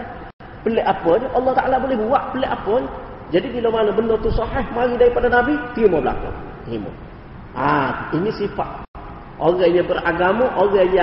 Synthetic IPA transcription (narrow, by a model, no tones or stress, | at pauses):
pəlɛʔapɔnɑlːɑht̪aʔalabolɛhbuwaʔpəlɛʔapɔn | d͡ʒadibilowmanəbənət̪usɑħɛhmaɾidaɾipadanabit̪iumɔbəla̰kṵ | t̪imɔ̰ | ainisifat̪ | ʔoɣajabəraɡamaʔoɣaja